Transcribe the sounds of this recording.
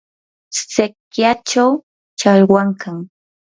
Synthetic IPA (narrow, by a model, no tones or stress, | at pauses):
st͡sekjat͡ʃaw | t͡ʃaʎwaŋkaŋ